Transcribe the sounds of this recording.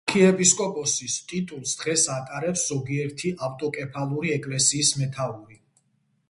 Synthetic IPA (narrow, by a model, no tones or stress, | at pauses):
kʰiɛpʰʼiskʼɔpʼɔsist̪ʼit̪ʼulˠsd̪̥ʁɛsat̪ʼaɾɛpszɔɡiɛɾt̪ʰiʔaft̪ʼɔkʼɛpʰalˠuɾiɛkʼlɛsiːsmɛt̪ʰauɾi